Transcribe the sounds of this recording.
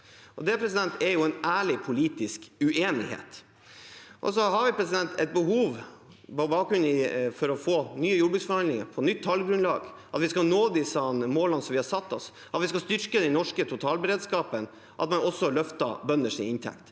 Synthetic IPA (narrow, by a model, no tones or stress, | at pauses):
ʔɔd̪ɛpʰɾɛs̬ɪd̪ɛnt̪ɛɾjʊɛnʔæːɭɪpʰʊliːt̪ɪskʉʔeːnɪ̰hḛːt̪ | ʔɔ̰sɔɦɑɾʋɪpʰɾɛsɪd̪ɛnt̪ɛ̰t̪̚bəɦuːʋpɔbɑːkɾʉnɪfɔɾɔfoːnyːəjʊbʉsfɔɾhɑnd̪lɪŋə̰pʰɔnʏt̪ʰːɑlɡɾʉnlɑ̰ːɡ | ʔɑt̪ʋɪskɑnoːd̪ɪsɑnmoːlɑnsɔmʋɪhɑɾsɑt̪ːɔs | ɑt̪ʋɪskɑst̪ʏɾkəd̪ɛnnɔʂkət̪ʰʊt̪ʰɑːlbəɾeːd̪skɑːpən | ʔɑ̰t̪mɛnɔsːɔlœft̪ɑbœnːəʂɪɪnt̪ʰɛ̰kt̪